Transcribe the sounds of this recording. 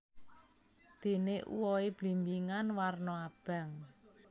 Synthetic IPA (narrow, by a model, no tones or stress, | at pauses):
d̪̥e̤neʔṵwɔeb̥limbiŋanwarnɔab̥a̤ŋ